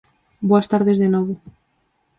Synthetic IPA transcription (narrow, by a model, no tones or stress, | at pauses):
bwast̪aɾðezðenoβo